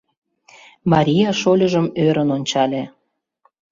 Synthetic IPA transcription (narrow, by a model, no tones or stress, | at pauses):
mɑɾʲijɑʃolʲəʒəmøɾənonʲt͡ɕɑlʲe